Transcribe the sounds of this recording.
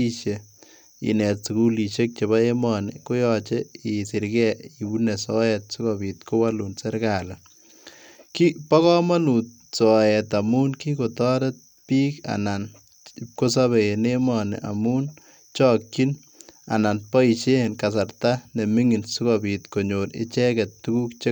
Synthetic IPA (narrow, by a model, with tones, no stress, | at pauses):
i˦ʃe˨ | ḭ˨nɛ˨tsu˨ku˦li˨t͡ʃe˦k̚t͡ʃe˨βa˦e˦mɔnɪ̰˨ko˦jɔt͡ʃe˦i˨sɪ˨ɾɡɛ˦i˨bu˦nɛ˨sɔjɛt̪̚su˦kɔbi˨t̪ko˦wa˦lu˨nsɛ˦ɾka˨la˨ | ki˦pa˦kɔ˦ma˦nu˨t̚ | sɔ˨ɛt̪a˨mu˦nki˦ko˨t̪ɔ˦ɾe˦t̪̚ | piː˦ka̰na˨n | ko˦s̬a˦βe˨ene˦mɔnɪ̰˨ʔa̰˨mu˦n | t͡ʃɔ˦kːi˦n | a̰˨na˨npɔ˦i˨t͡ʃe˦nka˨s̬a˨ɾt̪a˦nɛ˨mi˦ŋi˨nsu˦kɔbi˨t̪ko˨ɲonɪ̰˦t͡ʃɛ˦kɛ˨tːu˦ɡu˦kt͡ʃe˦